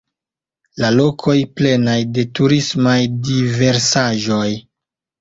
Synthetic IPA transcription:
lalo̞kʰo̞jple̞najde̞tuɾismajdive̞ɾsaʒo̞j

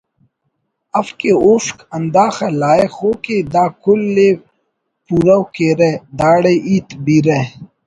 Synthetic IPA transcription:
ɐfkeoːskɐnd̪aːxɐlaːexoːked̪aːkʊlːeː | puɾɐwkeːɾed̪aːɽeʔiːt̪biɾe

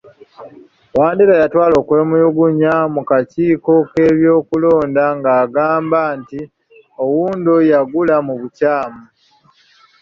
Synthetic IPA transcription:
waːndiɾajatwaːlo̞ːkwe̞ːmujuɡuɲamukaciːko̞ke̞ːβjo̞ːkulo̞ːndaŋɡaːɡaːmbaːnti | o̞wuːndojaɡulamuβucaːmu

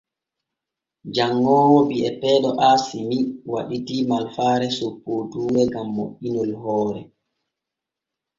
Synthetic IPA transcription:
d͡ʒaŋːɔːwɔbiɛpɛːɗɔʔasimiwaɗitimalfaːɾɛsopːotuːwɛɡamːo̰ʔinɔlɦɔːɾɛ

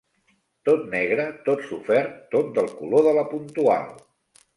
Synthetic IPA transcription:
t̪ot̪nɛɣ̞ɾət̪ot̪sufɛɾt̪ːot̪̚d̪əlˠkuloðələpunt̪ua̰lˠ

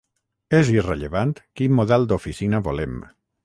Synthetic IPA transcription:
ezireʎeβant̪kimmoðɛlˠd̪ofisinəβolem

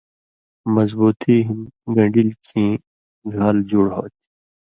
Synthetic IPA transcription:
mɐzbuːt̪iɦimɡɐ̃ɳɖilkĩ | ɡʱɐld͡ʑuɽɦo̰ːt̪i̥

